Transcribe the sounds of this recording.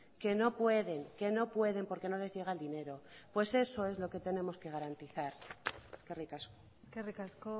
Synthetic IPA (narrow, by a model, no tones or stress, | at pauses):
ke̞no̞pwe̞ðe̞ŋke̞no̞pwe̞ðe̞mpo̞ɾke̞no̞le̞zʝeɣ̞aeld̪ine̞ɾo̞pwe̞se̞so̞e̞zlo̞ke̞t̪e̞nẽ̞mo̞ske̞ɣ̞aɾant̪iθaɾeskerikasko | skerikasko